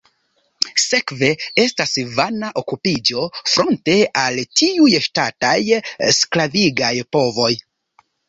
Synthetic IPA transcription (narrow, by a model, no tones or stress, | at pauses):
se̞kve̞e̞stasvanaʔo̞kupid͡ʒo̞fɾo̞nte̞altiujʃtatajsklaviɡajpo̞vo̞j